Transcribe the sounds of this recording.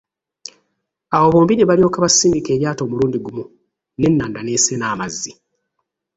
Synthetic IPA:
awo̞βo̞ːmbineβalio̞ːkaβasːiːmike̞ːɾjaːto̞ːmuluːndiɡumu | ne̞nːaːndane̞ːsenaːmazːi

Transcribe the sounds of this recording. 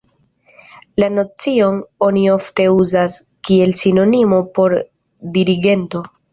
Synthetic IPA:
lano̞t͡sio̞no̞nio̞fte̞uzas | kie̞lsino̞nimo̞po̞ɾ | diɾiɡe̞nto̞

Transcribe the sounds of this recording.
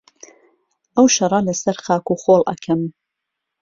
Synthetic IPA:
ʔɐwʃɐrˤɑlɐsɐɾxaːkuːχoːlˠʔɐ̰kʰɐm

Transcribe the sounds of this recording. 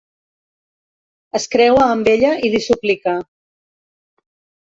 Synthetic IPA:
əskɾɛwaːmbeʎəʔiðisuplika

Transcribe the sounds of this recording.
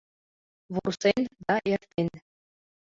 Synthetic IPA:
ʋursenʲd̪ɑʔerʲt̪ʲenʲ

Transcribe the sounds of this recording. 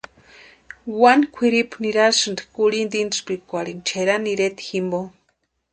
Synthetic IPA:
wankʷʰiɾipʰuniɾalsɨnd̪i̥kuɺind̪inspikʷaɾint͡ʃʰeɾanːiɾet̪i̥ximbo

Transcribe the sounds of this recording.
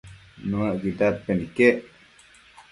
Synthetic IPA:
nũaʔɡit̪at̪̚penikeʔ

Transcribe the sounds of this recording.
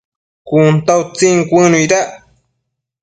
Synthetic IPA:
kunt̪awt͡siŋkʷənujɾaʔ

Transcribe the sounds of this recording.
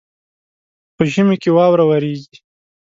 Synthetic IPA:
pəʒəmekewɑwɾawaɾeɡi

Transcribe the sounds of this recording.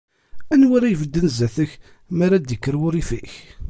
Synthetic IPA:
ænwaɾajvəd̪ːənzæθəç | maɾad̪jəkːəɾwʊɾifiç

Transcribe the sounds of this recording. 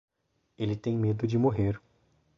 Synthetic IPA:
elɪt̪ẽj̃med̪ʊd͡ʒɪmoɦeɾ

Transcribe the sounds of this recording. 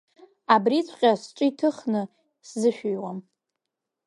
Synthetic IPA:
abrit͡sʷʰqʲʼasʈ͡ʂʷʼɨitʰɨχnɨ | szɨʃᶣʏjwam

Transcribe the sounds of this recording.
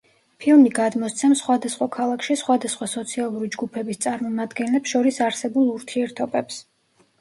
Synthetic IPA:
pʰilˠmiɡad̪mɔst̪sʰɛmsχwad̪asχwakʰalˠakʰʃisχwad̪asχwasɔt̪sʰialˠuɾid͡ʒɡupʰɛbist̪sʼaɾmɔmad̪ɡɛnlɛpsʃɔɾisaɾsɛbulˠuɾt̪ʰiɛɾt̪ʰɔbɛps

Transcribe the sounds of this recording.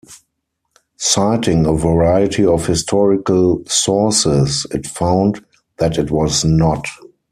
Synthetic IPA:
saɪtɪ̃ŋəvəɹaɪɪtʰiɔfhɪstʰɔɹɪkəlsɔsɪsɪtfãʊ̃nd | ðætɪtwɔznɔt

